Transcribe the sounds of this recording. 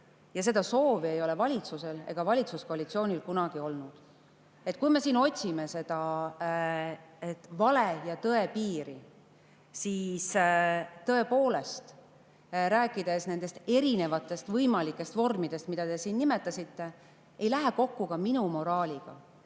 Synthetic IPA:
jɑse̞d̪̥ɑso̞ːviejo̞le̞vɑlʲit̪suse̞le̞̰ɡ̥ɑvɑlʲit̪suskoɑlit̪sio̞ːnʲilkunɑɡ̥io̞lnud̪̥ | e̞t̪ːkujme̞siːno̞t̪ʲsime̞se̞d̪̥ɑ | et̪ːvɑlejɑt̪ɤe̞piːɾi | siːs | t̪ɤ̞e̞po̞ːle̞st̪ | ɾæːkːˑid̪e̞sne̞nd̪e̞st̪e̞ɾine̞vɑt̪ːˑe̞st̪vɤjmɑlikːˑe̞st̪vo̞rmid̪̥e̞st̪mid̪̥ɑt̪e̞siːnnːime̞t̪ːˑɑsit̪ːe̞ | ejlæɦeko̞kːukɑminumo̞ɾɑːlʲiɡ̥ɑ̰

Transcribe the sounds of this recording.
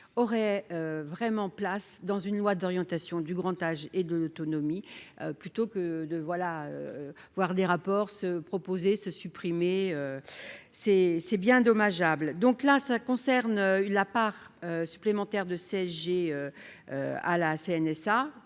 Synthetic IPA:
ɔʁɛøvʁɛmɑ̃plasd̪ɑ̃zynlwad̪ɔʁjɑ̃t̪asjɔ̃d̪yɡʁɑ̃t̪aʒed̪əlot̪ɔnɔmiøplyt̪okəd̪əvwalaø̰ | vwaʁd̪eʁapɔʁsəpχɔpozesəsypχimeø | sɛsɛbjɛ̃ɛ̃d̪ɔmaʒabld̪ɔ̃klasakɔ̃sɛʁnølapaʁ | øsyplemɑ̃t̪ɛʁd̪əseɛsʒeøø̰a̰laseɛnɛsa

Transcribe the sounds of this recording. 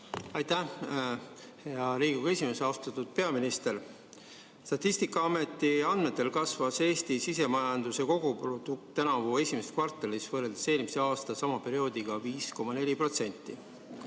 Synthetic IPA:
ɑjt̪æ | heɑɾiːɡ̥uɡ̥e̞sʲime̞seɑost̪ɑt̪ːud̪̥̚pe̞ɑminist̪e̞ɾ | st̪ɑt̪ʲˑːist̪ikːˑɑɑme̞t̪ːiɑnd̪me̞t̪ːˑe̞lkɑsvɑse̞ːst̪isise̞mɑjɑnd̪use̞ko̞ɡ̥uprod̪̥uk̚t̪ːænɑvue̞sʲimeset̪kvɑrt̪ːˑelisvɤːreld̪̥ese̞ːlmise̞ɑːst̪ɑsɑmɑpe̞ɾio̞ːd̪̥iɡ̥ɑviːsko̞mɑne̞lʲipro̞t̪se̞nʲt̪ːˑi

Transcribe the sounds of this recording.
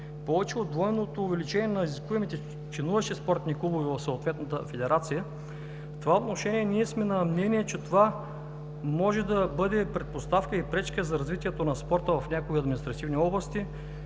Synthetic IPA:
pɔvɛt͡ʃɛod̪vɔɛnot̪oːvɛlit͡ʃɛniɛnɐiziskuɛmit̪ɛ | t͡ʃɛnuvɐʃt̪ispɔɾt̪nikubovivɐfsɐot̪vɛt̪nət̪əfɛd̪ɛɾʔat̪sijə | ft̪ovaot̪noʃɛnʲiɛnʲiɛsmɛnɐmnɛniɛt͡ʃɛt̪ova | mɔʒɛd̪ɐbɤd̪ɛpɾɛt̪̚post̪afkəipɾɛt͡ʃkəzɐɾɐzvit̪ʲiɛt̪onɐspɔɾt̪əvɐfnʲakoiɐd̪mʲinist̪ɾɐt̪ivniɔblˠɐst̪i

